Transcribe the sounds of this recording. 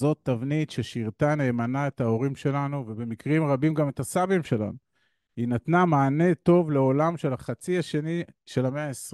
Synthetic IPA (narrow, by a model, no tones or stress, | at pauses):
zo̞t̪ːavnitʃe̞ʃiʁt̪ane̞ːmanae̞tao̞ʁimʃe̞lanuvebe̞mikʁimʁabimɡame̞t̪asabimʃe̞la̰nu | hinat̪namaːne̞t̪o̞vle̞o̞lamʃe̞laχat͡siaʃe̞niʃe̞lameaesi